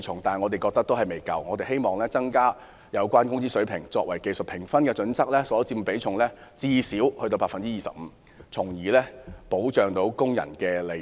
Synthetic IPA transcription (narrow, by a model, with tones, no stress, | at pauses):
ʊ˨˩ŋt̪aː˨ŋɔː˨˧te˨jkɔː˧k̚t̪ɐ˥k̚t̪o˥hɐ˨˩jme˨jkɐ˨wŋɔː˨˧t̪e˨˩ɦe˥jmɔː˨ŋlɛː˥t͡sɐ˥ŋkaː˥ | jɐ˨˧wkʷaː˥nkʊ˥ŋsiː˥sɵ˨˥ɥpʰɪ˨˩ŋt͡sɔː˧k̚wɐ˨˩jke˨˧jsɵ˨t̚pʰɪ˨˩ŋfɐ˥nkɛː˧t͡ʃɵ˨˥nt͡sɐ˥k̚lɛː˥sɔː˨˥jɐ˨˧wt͡siː˧mpe˨˥jt͡sʰʊ˨˩ŋlɛː˥t͡siː˧siː˨˥whɵ˧ɥt̪o˧wpaː˧˥fɐ˨nt͡si˥jiː˨˩sɐ̰˨p̚m̩˨˧ | t͡sʰʊ˨˩ŋjiː˨lɛː˥po˨˥wt͡ʃœː˨ŋt̪o˨˧wkʊ˥ŋjɐ̰˨˩nkɛː˧le˨˩